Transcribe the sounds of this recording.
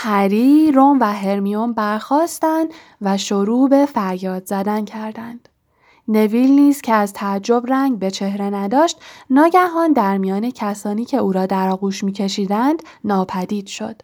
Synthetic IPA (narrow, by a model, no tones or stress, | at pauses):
hæɾiɾomvæɦe̞ɾmiombæɾxɒːst̪ænd̪ | væʃoɾuːbe̞fæɾjɒːd̪zæd̪æncʰæɾd̪ænd̪̥ | ne̞vilniːz̥cʰeæzt̪ʰæːd͡ʒːo̞bɾæŋɡbe̞t͡ʃʰe̞hɾe̞næd̪ɒːʃt̪nɒːɟæɦɒːnd̪æɾmijɒːnecʰæsɒːniːcʰe̞uːɾɒːd̪æɾɒːɣuːʃmiːcʰe̞ʃiːd̪ænd̪̥ | nɒːpʰæd̪iːd̪̥ʃo̞d̪̥